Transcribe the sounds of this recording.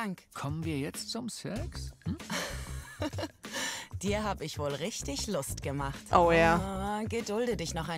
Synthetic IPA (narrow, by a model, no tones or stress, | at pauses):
aŋkkʰɔmənviːɐjɛt͡stt͡sʊmsɛksm̩ | d̥iːɐɦaːbəɪçv̥oːlʁɪçtɪçlʊstɡ̥əmaχtʔojaɡədʊldədɪçnɔχaɪ